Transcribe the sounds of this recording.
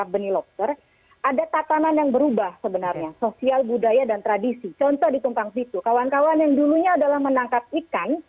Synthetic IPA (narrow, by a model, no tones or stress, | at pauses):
abənilɔp̚t̪ər | adat̪at̪ananjaŋbəɾubahsəbənarɲasosialbudajadant̪ɾadisit͡ʃɔnt̪ɔhdik̪umpaŋpit̪ukawankawanjaŋduluɲaːdalahmənaŋkap̚ikan